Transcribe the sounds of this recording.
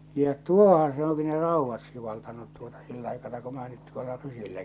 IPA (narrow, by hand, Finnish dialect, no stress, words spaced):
jɑ tuohɑ̃ː se oŋki ne rɑˑuʋːɑt siʋɑltɑnut tuotɑ̥ silː ɑikɑnɑ ku mĭn̆æː nyt tuolːɑ rysilːæ